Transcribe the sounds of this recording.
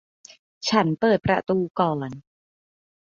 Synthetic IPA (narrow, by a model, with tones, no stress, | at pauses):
t͡ɕʰa˦˥npɤː˨˩t̪̚pɾa̰˧t̪uː˧kɔː˨˩n